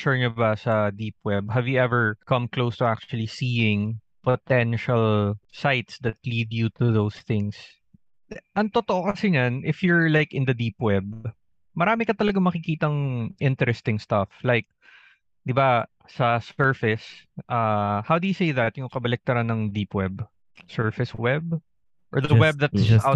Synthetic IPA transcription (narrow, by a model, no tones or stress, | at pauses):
ʃɔɹɲʊbɐsɐd̪iːpwɛb̚ɦɐvjuʔɛvɛɹkɐ̃mklowst̪ʊʔak̚t͡ʃʊɐlisiːɪ̃ŋ | pot̪ɛnʃɐlsajt̪sd̪ɐt̪liːd̪jut̪ʊðowsθɪŋs | ʔɐŋt̪ot̪oʔokɐsɛɲanʔɪfjʊɹlajkɪnd̪ɐd̪iːpwɛb̚ | mɐɾaːmɪkɐt̪ɐlɐɡamɐkɪkiːt̪ɐŋʔɪ̃nt̪ɛɾɛst̪ɪŋst̪aflajk̚ | d̪ɪba | sɐsɛɹfɪsʔahawd̪ʊjʊsejðɐt̪jʊŋkɐbɐlɪk̚t̪ɐɾanɐŋd̪iːpwɛb | sɛɹfɪswɛb̚ | ʔɔɹd̪ɐwɛb̚ðɐt̪d͡ʒɐt̪aw̚